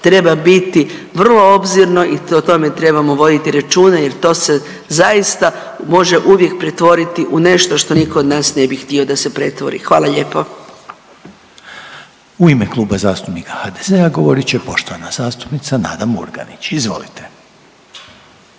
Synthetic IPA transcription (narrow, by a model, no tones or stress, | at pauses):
t̪ɾe̞babit̪iʋr̩lˠo̞o̞bziɾno̞ʔiot̪o̞me̞t̪ɾe̞bamo̞ʋo̞d̪it̪iɾat͡ʃuːnaje̞ɾt̪o̞ːse̞ | zaist̪a | mo̞ʒe̞ʔuʋje̞k̚pɾet̪ʋo̞ɾit̪iʔune̞ʃt̪o̞ʃt̪o̞niko̞od̪naːsne̞bixt̪io̞d̪ase̞pɾe̞t̪ʋo̞̰ɾḭxʋaːlˠaʎe̞po | uimeklˠuːbazaːst̪upnikahaːd̪ezeaɡo̞ʋo̞ɾit͡ɕepo̞ʃt̪oʋanazaːst̪u̥pnit̪sana̰ːd̪amṵɾɡa̰nit͡ɕizʋo̞̰lit̪e